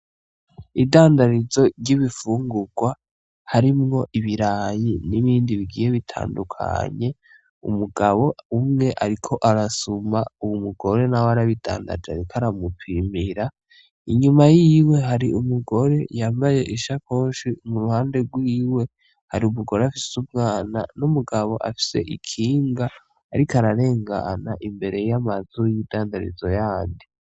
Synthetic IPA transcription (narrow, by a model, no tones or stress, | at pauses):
idaːndaɾizo̞ɾɟiβifuːŋɡuɡwa | haɾimŋo̞ʔiβiɾaːjiniβiːndiβiɡiːje̞βitʰa̰ːndukʰa̰ɲe̞ | ṵmuɡaβo̞umŋe̞ʔaɾikʰo̞ʔaɾasumauwumuɡo̞ɾe̞nawaɾaβida̰ːnda̰d͡ʒaɾikʰaɾamupʰimiɾa | iɲumajiwe̞ɦaɾiumuɡo̞ɾe̞jaːmbaje̞ʔiʃakʰoːnʃimuɾuhaːnde̞ɡwiːwe̞ | haɾiumuɡo̞ɾeafisumŋaːna̰numuɡaβo̞ʔa̰fi̥se̞̰ʔikʰiːŋɡaː | ɾikaɾaɾe̞ːŋɡa̰naʔimbe̞ɾe̞jamazujidaːndaɾḭzo̞jaːndi